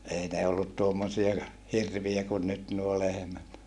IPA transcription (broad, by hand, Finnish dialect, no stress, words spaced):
ei ne olːut tuomːosiɑ hirʋiæ kun nyt nuo lehĕmæt